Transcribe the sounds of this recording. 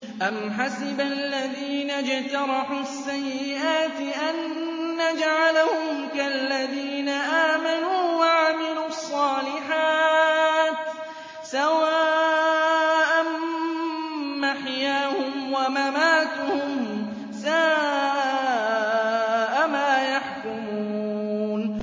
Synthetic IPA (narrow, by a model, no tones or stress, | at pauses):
ʔamħasɪbalːaðiːnad͡ʒt̪ɑɾˤɑħuːasːajːɪʔaːt̪ɪʔanː | ad͡ʒʕalahʊmkalːaðiːnaʔaːmanuːwaʕamɪluːɑsˤːɑːlɪħaː | t̪ | sawaː | ʔan | maħjaːhʊmwamamaːt̪ʊhʊm | sa | ʔamaːjaħkʊmuːn